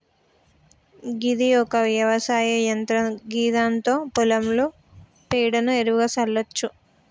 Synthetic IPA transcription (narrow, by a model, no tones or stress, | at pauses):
ɡid̪iɔkɐʋjɐʋɐsaːjɐjɐnt̪ɾɐɡiːd̪aːnt̪o̞ːpulɐmlu | piːɽɐnueɾuʋɡaːsɐlːɐt͡ʃːu